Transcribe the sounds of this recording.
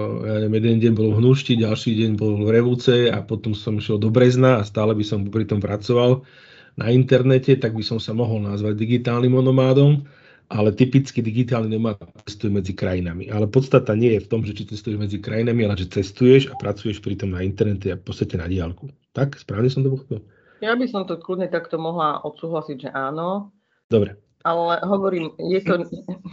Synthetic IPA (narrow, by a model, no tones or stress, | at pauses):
jaɲɛɛmjɛd̪ɛnɟɛɲbɔlvɦnuʃciɟalʃiːɟɛɲbɔlvɾɛʋut͡sɛa̰pɔt̪ɔmsɔmiʃɛld̪ɔbɾɛznaːst̪aːlɛbisɔmpɾit̪ɔmpɾat͡sɔʋal | nʔaint̪ɛɾnɛcɛt̪aɡbisɔmsamɔɦɔlnazʋaɟd̪iɡit̪aːlnimɔnɔmaːd̪ɔm | ʔalɛt̪ipit͡skid̪iɡit̪̬aːlninɔmaːt̪t͡sɛst̪ujɛmɛd͡zikɾajinamḭʔalɛpɔt̪t͡st̪at̪aɲɪɛjɛft̪ɔmʒɛt͡ʃit͡sɛst̪ujɛʒmɛd͡zikɾajinamialɛʒɛt͡sɛst̪ujɛʒapɾat͡sujɛʃpɾit̪ɔmnaint̪ɛɾnɛc̪ɛafpɔt͡st̪acɛna̰ɟɪalkut̪akspɾaːʋɲɛsɔmt̪̬ɔp̬ɔxɔ̥pɛl | jabisɔmt̪ɔklud̪ɲɛt̪akt̪ɔmɔɦlaʔɔt̪suːɦlasiɟʒɛʔaːnɔ | d̪ɔbɾɛ | alɛɦɔʋɔɾiːmjɛt̪ɔ